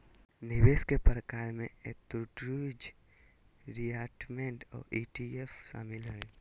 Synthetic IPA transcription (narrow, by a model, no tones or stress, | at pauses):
nɪʋeːskepɾəkaːɾmẽet̪ɾuʈɾud͡ʒ | ɾiaːʈmẽɳʈɔ̰ːɾiːʈiefʃa̰ːmɪlɦɛe